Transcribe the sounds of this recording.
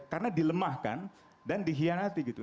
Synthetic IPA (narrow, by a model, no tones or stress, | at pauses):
karənadiləmahka̰n | dandiɦianat̪iɡit̪u